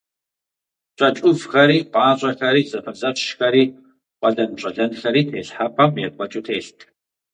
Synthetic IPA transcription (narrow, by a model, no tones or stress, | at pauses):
ɕʷʼɐt͡ʃʼʊvxɐɾiːqʷʼɑːɕʼɐxɐɾiːzɐfɐzɐɕʃxɐɾiː | qʷʼɐɮɐnɕʼɐɮɐnɬɐɾiːtʰeːɬħapʰɐmjɛkʷʼɔt͡ʃʼutʰeːɬtʰʼ